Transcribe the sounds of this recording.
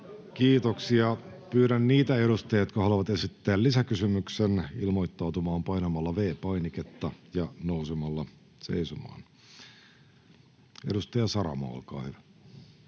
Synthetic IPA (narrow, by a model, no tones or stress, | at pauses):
kiːt̪oksiɑ | pyːɾænːiːt̪æe̞ɾust̪ɑjɑjot̪kɑhɑluʋɑt̪esit̪ːæːllisækysymyksenilmo̞jt̪ːɑwt̪umɑːmpɑjnɑmɑlːɑʋe̞ːpɑjniket̪ːɑjɑnousemɑlːɑ | sḛisomɑ̰ːn | eɾust̪ɑjɑsɑɾɑ̰mɑ̰ːo̰lkɑ̰ːhyʋæ